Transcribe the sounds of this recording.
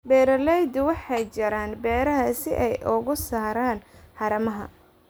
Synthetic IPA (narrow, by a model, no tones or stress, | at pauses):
bɛːɾɐlɛjd̪ʊwɑħɑjt͡ʃɐɾaːnbɛːɾɐɦɐsɪʔɛjʔʊɣʊsaːɾaːnħɑɾɐmɐɦɐ̰